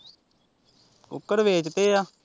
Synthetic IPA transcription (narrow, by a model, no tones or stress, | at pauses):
ʊ̰kːəɾʋeːt͡ʃt̪eːjaː